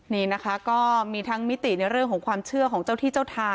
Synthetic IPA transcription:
niː˥˩na˦˥kʰa˦˥kɔː˥˩miː˧t̪ʰa˦˥ŋmi˦˥t̪i˨˩na˧jɾɯ˥˩əŋkʰɔː˩˦ŋkʰwaː˧mt͡ɕʰɯ˥˩ɐkʰɔː˩˦ŋt͡ɕa˥˩wt̪ʰiː˥˩t͡ɕa˥˩wt̪ʰaː˧

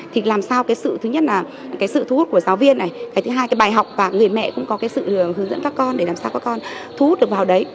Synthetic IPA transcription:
t̪ʰi˨˩laː˨˩msaː˧wkaː˨˦jsɨ̰˧˨t̪ʰɨ˨˦ɲə˦˥t̚laː˨˩ | kaː˨˦jsɨ̰˧˨t̪ʰu˨˧hu˦˥t̚ku˧˩əzaː˨˦wvi˧ənːa˨˩jkaː˨˦t̪ɨ˨˦ɦaː˧jkaː˨˦ɓaː˨˩jɦa˨˩wk͡p̚vaː˨˩ŋɨ˨˩əjmɛ̰˧˨kʊ̰˧˥ŋ͡mkɔ˨˦kaː˨˦jsɨ̰˧˨hɨ˨˦əŋzə̰˧˥nkaː˦˥kːɔ˧nɗe˧˩laː˨˩msaː˧wkaː˦˥kːɔ˧nt̪ʰu˨˦hu˦˥t̚ɗɨ˨˩ək̚vaː˨˩ɗə˨˦j

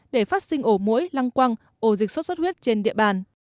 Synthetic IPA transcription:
ɗe˧˩faː˦˥t̚sï˧ŋ̟ʔo˧˩mo̰˧˥jla˧ŋkwa˧ŋ | ʔo˧˩zi˨˩k̚swə˦˥t̚sə˦˥t̚hwi˦˥ət̚t͡ɕe˧nɗḭ˧˨əɓaː˧˨˩n

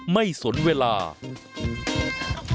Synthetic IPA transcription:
ma˥˩jsu˩˦nweː˧laː˧

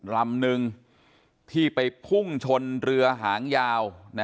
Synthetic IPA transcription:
la˧mnɯ˧ŋ | t̪ʰiː˥˩pa˧jpʰu˥˩ŋt͡ɕʰo˧nɾɯ˧ɐɦaː˩˦ŋjaː˧wna˦˥

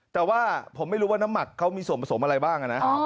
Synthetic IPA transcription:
t̪ɛː˨˩waː˥˩pʰo˩˦ma˥˩jɾuː˦˥waː˥˩na˦˥mːa˨˩kʰːa˦˥wmiː˧su˨˩ənpʰa˧sʰo˩˦mʔa˧ɾa˧jbaː˥˩ŋʔa˧˩na˦˥ʔ

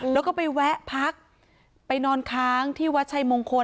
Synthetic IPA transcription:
ɛ˦˥wkɔː˥˩pa˧jwɛ˦˥ʔpʰa˦˥k̚ | pa˧jnɔː˧nkʰaː˦˥ŋt̪ʰiː˥˩wa˦˥t̪̚t͡ɕʰa˧jmoː˧ŋkʰo˧

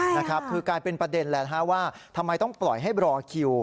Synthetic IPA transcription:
na˦˥kʰɾa˦˥p̚kʰɯː˧kaː˧jpe˧npɾa˧de˧nlɛː˨˩t̪ɦa˦˥waː˥˩t̪ʰa˧mːa˧jt̪ɔ˥˩ŋplɔ˨˩jɦa˥˩jɾɔː˧kʰi˧w

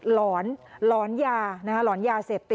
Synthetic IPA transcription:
lɔː˩˦nlɔː˩˦˥njaː˧na˦kʰa˥lɔː˩˦˥njaː˧seː˨˩p̚t̪i˨˩

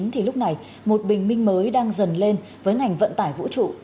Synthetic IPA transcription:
ŋt̪ʰi˨˩lʊ˦˥k͡p̚na˨˩j | mo˨˩t̚ɓï˨˩ŋ̟mï˧ŋ̟məː˨˦jɗaː˧ŋzə˨˩nle˧n | vəː˨˦jŋa˨˩jŋ̟və̰˧˨nt̪aː˧˩jvṵ˧˥t͡ɕṵ˧˨

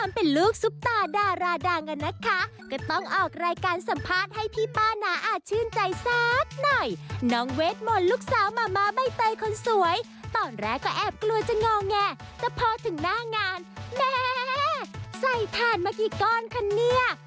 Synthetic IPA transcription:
t̪ʰa˧mpe˧nluː˥˩k̚su˦˥p̚t̪aː˧daː˧ɾaː˧daː˧ŋka˧nːa˦˥kʰa˦˥ | kɔ˧˩t̪ɔ˥˩ŋʔɔː˨˩k̚ɾaː˧jkaː˧nsa˨˩˦mpʰaː˥˩t̪̚ha˥˩jp̪ʰiː˥˩paː˥˩naː˨˦ʔaː˨˩t̪̚t͡ɕʰɯː˥˩˨nt͡ɕa˧jsaː˦˥t̪̚nɔ˨˩jnɔː˦˥ŋweː˦˥t̪̚mo˧nluː˦˥˩k̚saː˨˦wmaː˧maː˧˥ba˧˩jt̪ɤ˧jkʰo˧nsu˩˦əj | t̪ɔː˨˩nɾɛː˧˩kɔː˥˩ʔɛː˨˩p̚klu˧ət͡ɕa˨˩ŋɔː˧ŋɛː˧˩ | t̪ɛː˨˩pʰɔː˧t̪ʰɯ˩˦ŋnaː˥˩ŋaː˧nmɛː˧˩ | sa˧˩jt̪ʰaː˧˩nmaː˧kiː˨˩kɔː˧˥˩nkʰa˧˥nːi˥˩ɐə

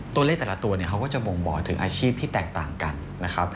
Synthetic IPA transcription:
t̪u˧leː˥˩k̚t̪ɛː˨˩la˦˥t̪u˧ɐni˦˥˩kʰa˦˥wkɔː˥˩t͡ɕa˨˩wo˧ŋmɔ̰ː˨˩˦t̪ʰɯ˨˩˦ŋʔaː˧t͡ɕʰiː˥˩p̚t̪ʰiː˥˩t̪ɛː˨˩k̚t̪aː˨˩ŋka˧n | na˦˥kʰa˦˥p̚

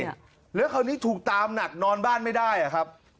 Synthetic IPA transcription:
lɛ˦˥kʰa˧wniː˦˥t̪ʰuː˨˩k̚t̪aː˧mna˨˩k̚nɔː˧nbaː˥˩nma˥˩jdaː˥˩ja˨˩kʰɾa˦˥p̚

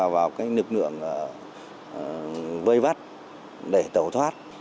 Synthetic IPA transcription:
vaː˨˩wkaː˨˦jlɨ˨˩k̚lɨ̰˧˨əŋʔəː˧˩˨ | və˧jva˦˥t̚ | ɗe˧˩t̪ə˧˩wt̪ʰwaː˦˥t̚

